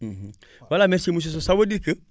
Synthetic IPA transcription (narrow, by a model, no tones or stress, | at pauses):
m̩m̩ | walamɛɾsimus̬is̬osawədikə